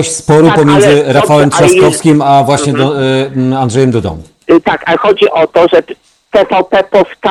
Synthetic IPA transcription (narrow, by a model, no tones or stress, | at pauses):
ɕspɔɾuppɔmʲjɛnd̪zɘɾafawɛmt̪ʂaskɔfskʲimavwaɕɲɛd̪ | and̪ʐɛjɛmd̪ud̪ɔ̰̃w̃ | t̪akaxɔd͡ʑiʔɔt̪ɔʐɛ | pɛfapɛpɔft̪a